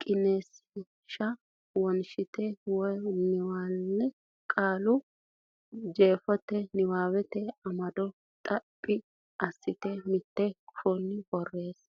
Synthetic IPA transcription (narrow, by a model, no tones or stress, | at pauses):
kʼɪnes | ʃɐ | wɔnʃɪt̪ɛwɔjnɪwaːlːɛ | kʼaːlʊ | d͡ʒe̞ːfɔt̪ːɛnɪwaːwɛt̪ɛɐmɐd̪ɔ | t̪ʼɐpʼːɪ | ɐsːɪt̪ɛmɪt̪ːɛkʰunːɪbɔrːeːs